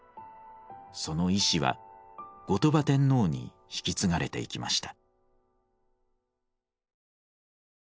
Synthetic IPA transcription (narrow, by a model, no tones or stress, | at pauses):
so̞no̞iɕiβa̰ɡ̥o̞t̪o̞bat̪ẽ̞nːo̞ːɲ̟ḭ | çi̥kʲit͡sɨŋaɾe̞t̪e̞̰ikʲima̰ɕi̥t̪ḁ